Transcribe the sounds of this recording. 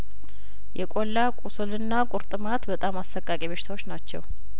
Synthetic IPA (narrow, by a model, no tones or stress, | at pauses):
jɛkʷʼo̞lːakʼusɨlɨnːakʼuɾt̪ʼɨmat̪bət̪ʼamasəkʼːakʼiβəʃɪ̥t̪awo̞t͡ʃːnat͡ʃːɛ̰w